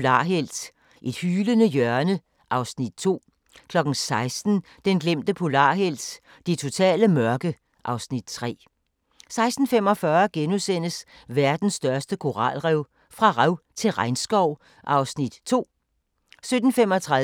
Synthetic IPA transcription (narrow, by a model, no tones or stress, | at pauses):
lɑ̰̈ːɦel̰d̥ | ʔe̝d̥hyːlənəjœɐnə | ʔɑ̈ʊsnid̥̚t͡sʰo̝̰ː | kʰlɒ̽ɡ̥n̩sɑ̈ɪsd̥n̩ | d̥enɡ̥lem̰d̥əpʰo̝lɑ̰̈ːɦel̰d̥ | d̥et͡sʰo̝t͡sʰɛ̰ːləmɶɐɡ̥ə | ʔɑ̈ʊsnid̥t͡sʰʁɛ̰ː | sɑ̈ɪsd̥n̩fem̰ɒ̽fɶːɐɡ̥enusen̰əs | ʋæɐd̥n̩sːd̥ɶɐsd̥əkʰo̝ʁɑ̰̈lʁɛʊ | fʁɑ̈ʁɛʊt͡sʰe̝lʁɑ̈ɪnsɡ̥ɒʊ̰ | ʔɑ̈ʊsnid̥t͡sʰo̝̰ː | sød̥n̩femɒ̽t͡sʰʁa